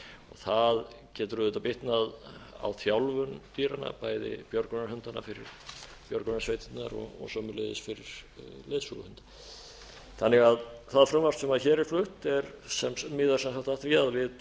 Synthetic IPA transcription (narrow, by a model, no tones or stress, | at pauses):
ɔ̰ɣθað | cɛːt̪ɾʏːðʏt̪awpɪht̪naða̰wθjawlvʏnt̪iːɾanːa̰paːjðɪ̰pjɔɾkʏnaɾhʏnt̪anːa̰fɪɾɪ̰ɾ̥ | pjɔɾkɔnasvejt̪ɪnt̪na̰ɾɔ̰ɣɔ̰ɣsœːmʏlejðɪsfɪɾɪɾ̥leːsula̰hʏnt̪ḁ | θanːɛɣaðθaðfɾʏmvast̪sɛmaðçɛːɾɪɾ̥flʏht̪ɛɾsɛmmɪːðaɾ̥sɛnsakt̪aht̪viaðvɪð